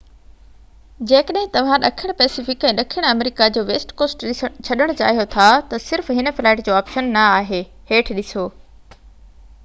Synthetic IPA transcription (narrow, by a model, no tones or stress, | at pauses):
d͡ʑeːkəɗɦɪ̃t̪ɐʋ̤ãɗɐkʰɪɽ̃pɛːsɪfɪkɛ̃ːɗɐkʰɪɽ̃ɐmɾɪkad͡ʑoːʋeːsʈkoːsʈt͡ɕʰɐɗəɽ̃t͡ɕa̰ːɦijot̪ʰat̪ɐsɪɾfɦɪnə̆fɪlaːɪʈd͡ʑoːaːpʃənːɐaːɦeː | heːʈʰɗɪsoː